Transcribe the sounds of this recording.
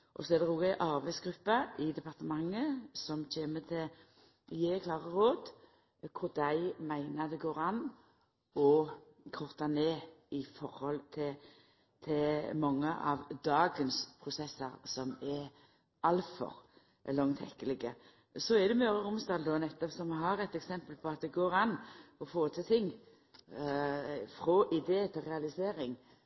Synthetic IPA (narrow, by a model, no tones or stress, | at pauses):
ʔɔsɔɛd̪ɛoːɡæʔɑɾbæɪsɡɾʉpːɑʔɪd̪ɛpɑʁt̪əmɑŋːəsɔmc͡çeːmət̪ʰɛ | jeːkʰlɑːʁəɾoːd̪ | kʰʊɾd̪æɪmæɪnəd̪ɛɡoːɾɑnː | ɔ | kʰɔʁt̪ɑneːɪfɔɾhɔlt̪ʰɛ | t̪ʰɪmɔŋːəʔɑ̰ʋd̪ɑːɡənspʰɾʊsɛsːəɾsɔmɛ | ɑlfɔ̰ɾ | lɔŋt̪ʰɛkːəlɪɡə | sɔɛd̪ɛmœːɾəɾʊmsd̪ɑːld̪ɔnɛt̪ːɔpsɔmɦɑɾɛt̪ɛksɛmpəlpʰɔɑt̪̚d̪ɛɡoːɾɑnːɔfoːt̪ʰɪt̪ʰɪŋː | fɾɔʔɪd̪eːət̪ʰɪlɾɛɑlɪseːɾɪŋ